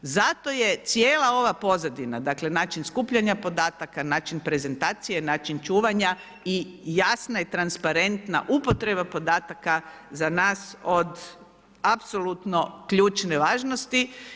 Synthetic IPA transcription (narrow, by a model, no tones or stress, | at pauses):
zat̪o̞je̞t̪sje̞ːlˠao̞ʋapo̞zad̪inad̪akle̞naːt͡ʃinskuːpʎaɲapo̞d̪aːt̪akanaːt͡ʃinpɾe̞ze̞nt̪aːt̪sije̞naːt͡ʃint͡ʃuːʋaɲa | ijasnait̪ɾanspaɾe̞nt̪na̰ʔupo̞t̪ɾe̞bapo̞d̪aːt̪aka | zanaːso̞d̪ | apso̞lut̪no̞kʎuːt͡ʃne̞ʋaːʒno̞st̪i